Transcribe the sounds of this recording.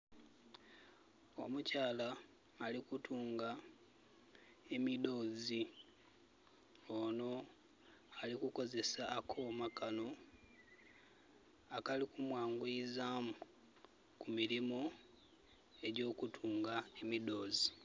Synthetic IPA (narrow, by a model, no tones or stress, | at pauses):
o̞̰mucaːlaː | likutʰuːŋɡa | e̞mido̞ːzi | ono̞ | alikuko̞ze̞saːkʰo̞ːmakano̞ | akalikumwaːŋɡuizaːmu | kumiɾimo | e̞ɟo̞ːkutʰuːŋɡae̞mido̞ːzi